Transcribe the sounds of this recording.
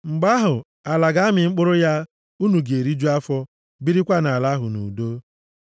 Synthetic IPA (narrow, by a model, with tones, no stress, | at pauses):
ŋ͡m̩˨ɡ͡ba˦ɦʊ˨ | a˨la˨ɡa˦mɪ˨ŋ͡m̩˦k͡pʊ˦ɾʊ˦ja˦ | u˦nu˨ɡe˨ɾi˦d͡ʒu˦a˦fɔ˦ | bi˦ɾi˦kʷa˦na˨la˦ɦʊ˨nṵ˨do˦